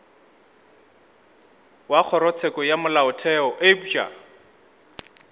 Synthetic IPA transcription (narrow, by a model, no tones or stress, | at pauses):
wak͡xʰɔɾɔt͡sʰɛkɔjamʊlaʊtʰɛɔʔebut͡ʃʼa̰